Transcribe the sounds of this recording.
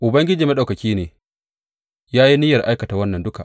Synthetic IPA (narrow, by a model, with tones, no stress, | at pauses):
ʔʊ˨bɐ˦ŋɡʲɪ˦d͡ʒiː˨ma˦ɗa˨wkɐ˨kʲiː˦neː˨ | jaː˦ji˦nɪ˦jɐ˨rʔa˦jkɐ˨ta˨wɐ˦nːɐ˨ndʊ˦ka˨ʔ